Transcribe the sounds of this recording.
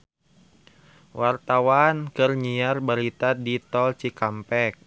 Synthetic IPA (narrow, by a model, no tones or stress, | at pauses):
wart̪awankərɲiarbaɾit̪adit̪ɔlt͡ʃikampɛk̚